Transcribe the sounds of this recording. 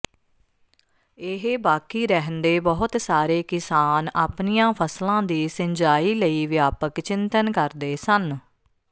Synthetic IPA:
ɪɦbaːkiːɾɛɦənd̪eːbɔɦʊt̪saːɾeːkɪsaːnaːpnijãːpʰəslãːd̪iːsɪɲd͡ʒaːiːləiːʋɪjaːpəkt͡ʃɪnt̪ənkəɾd̪eːsən

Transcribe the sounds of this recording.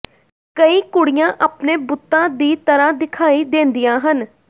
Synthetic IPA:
kəiːkʊɽɪjãːʔəːpneːbʊt̪ːãːd̪iːt̪əɾaːd̪ɪkʰaːiːd̪ẽːnd̪ijãːɦən

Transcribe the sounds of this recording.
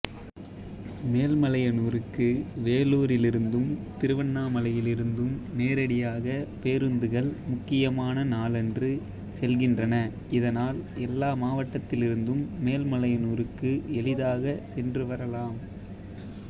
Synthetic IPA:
meːlmɐlɐjɐnuːɾɯkːɯʋeːloːɾɪlɪɾɯnd̪ɯmt̪ɪɾɯʋɐnːaːmɐlɐjɪlɪɾɯnd̪ɯmneːɾɐɽɪjaːɣɐpeːɾɯnd̪ɯɣɐɭmʊkːɪjɐmaːnɐnaːlɛndrɯ | sɛlɣɪndrɐnɐ | ɪðɐnaːlɛlːaːmaːʋɐʈːɐt̪ːɪlɪɾɯnd̪ɯmːeːlmɐɭɐjɐnuːɾɯkːɯɛlɪðaːɣɐsɛndrɯʋɐɾɐlaːm

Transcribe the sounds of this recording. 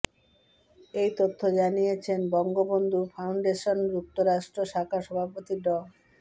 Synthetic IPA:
ejt̪ot̪ʰːod͡ʑanijet͡ɕʰenbɔŋɡobond̪ʱufʰawɳɖeʃonɾup̚t̪oɾaʃʈɾoʃakʰaʃɔbʱapot̪iɖɔ

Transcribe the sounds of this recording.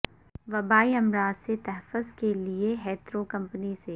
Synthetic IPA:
ʋɐbaːiɐmɾaːzset̪ɛɦɛfʊzkelieɦɛːt̪ɾokɐ̃mpəniseː

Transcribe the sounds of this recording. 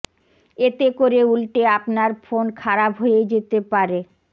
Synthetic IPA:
et̪ekoɾeulʈeapnaɾfonkʰaɾabɦojed͡ʑet̪epaɾe

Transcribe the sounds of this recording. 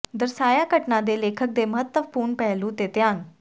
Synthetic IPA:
d̪əɾsaːjakəʈnãd̪eːleːkʰək̚d̪eːməɦət̪ːəʋpuːɾɳpɛɦlũt̪et̪jãːn

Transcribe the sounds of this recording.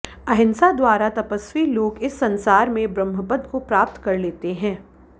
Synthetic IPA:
ɐɦɪ̃nsad̪waːɾat̪ɐpəswiloːɡɪsːɐ̃nsaːɾmẽbɾə̃mɦəpəd̪kopɾaːp̚t̪kɐɾleːt̪eɦɛ̃ː

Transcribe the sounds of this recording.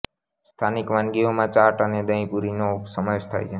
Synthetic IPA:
st̪ʰanikʋanɡiomãt͡ʃaʈəned̪əĩpuɾinopsəməeʃt̪ʰa̰jt͡ʃʰe

